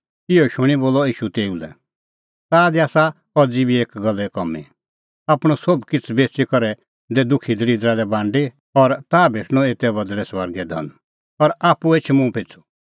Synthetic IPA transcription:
ɪɔʃʊɽ̃iboːlɔiːʃut̪eːulɛ̰ | t̪aːd̪iaːsa | kɔd͡zibʱieːkɡɐlːɛkɔmḭ | aːpɽ̃ɔ̃sobkɪt͡sʰbeːt͡ʃikɔɾɛ | d̪ɛd̪ʊkʰid̪əɾiːd̪ɾad̪ɛbãːɳɖi | ɔɾt̪aːbʱeːʈʰñɔ̃eːt̪ɛbɐd̪ɽɛsʋəɾɡɛd̪ʱɐ̰̃n | ɔɾaːpueːt͡ʃʰmũpʰɪt͡sʰu̥

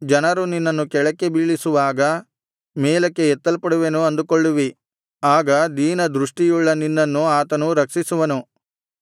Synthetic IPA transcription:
d͡ʒɐnɐɾuninːɐnːukɛɭɐkːe̞biːɭisuʋaːɡɐ | mɛːlɐkːe̞ɛt̪ːɐlpɐɽuʋenuɐnd̪ukoɭːuʋi | aːɡɐd̪iːnɐd̪ɾuʂʈijuɭːɐninːɐnːuaːt̪ɐnuɾɐksisuʋɐnu

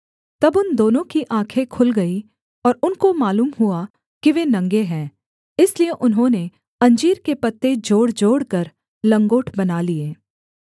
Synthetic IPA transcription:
t̪ɐbʊnd̪oːnõkiʔãːkʰekʰʊlɡɐi | ɔːɾʊnkomaːluːmɦua | kiʋenɐ̃ŋɡeɦɛ̃ː | ɪslieʔʊnɦõne | ɐ̃ɲd͡ʒiːɾkepɐt̪ːed͡ʒoːɽd͡ʒoːɽkɐɾ | lɐ̃ŋɡoːʈʰbɐnalieː

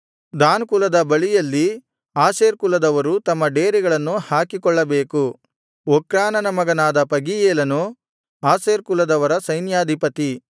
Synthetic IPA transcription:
d̪aːnkulɐd̪ɐbɐɭijɐlːi | aːseːɾkulɐd̪ɐʋɐɾut̪ɐmːɐɖeːɾiɡɐɭɐnːuhaːkikɔɭːɐbeːku | ɔkɾaːnɐnɐmɐɡɐnaːd̪ɐpɐɡijeːlɐnu | aːseːɾkulɐd̪ɐʋɐɾɐsɐjnjaːd̪ʱipɐt̪i

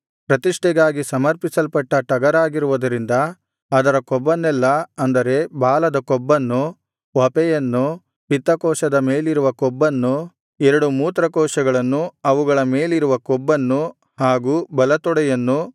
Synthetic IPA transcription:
pɾɐt̪iʂʈɛɡaːɡisɐmɐɾpisɐlpɐʈːɐʈɐɡɐɾaːɡiɾuʋud̪ɐɾind̪ɐː | d̪ɐɾɐkɔbːɐnːɛlːɐɐnd̪ɐɾe̞baːlɐd̪ɐkɔbːɐnːu | ʋɐpɛjɐnːu | pit̪ːɐkɔːʃɐd̪ɐmeːliɾuʋɐkɔbːɐnːu | ɛɾɐɽumuːt̪ɾɐkɔːʃɐɡɐɭɐnːuɐʋuɡɐɭɐme̞ːliɾuʋɐkɔbːɐnːu | haːɡuːbɐlɐt̪ɔɽɛjɐnːu

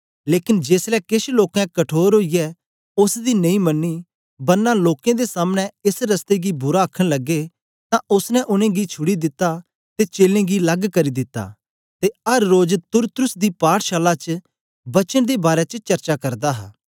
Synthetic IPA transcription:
leːkɪnd͡ʒeːslɛkɪʃloːkɛ̃kɐʈʰoːɾɦoːijɛ | ʊsd̪inɐ̃ĩmɐnːi | bɐɾnaloːkẽd̪esaːmñɛ̃ɪsɾɐst̪eɡibʊɾaɐkʰːəɽ̃lɐɡe | t̪ãʔʊsnɛ̃ʔʊnẽɡit͡ʃʰʊɽid̪ɪt̪ːa | t̪et͡ʃeːlẽɡilɐɡkɐɾid̪ɪt̪ːa̰ː | t̪eɐɾːoːd͡ʒt̪ʊɾt̪ɾʊsd̪ipaːʈʃaːlat͡ʃ | bɐt͡ʃəñd̪ebaːɾɛt͡ʃət͡ʃɐɾt͡ʃakɐɾd̪aːɦa̰ː

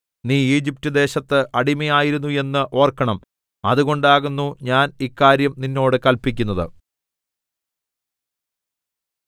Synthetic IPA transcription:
niːiːd͡ʑip̚tud̪e̞ːɕɐt̪ːɨʔɐɽimɐjaːjiɾunːue̞nːɨʔo̞ːrkːɐɳɐm | ɐ̰ðuɣo̞ɳɖaːɣunːuɲaːnikːaːɾjɐmninːo̞ːɽɨkɐlpikʲːunːɐðɨ̰

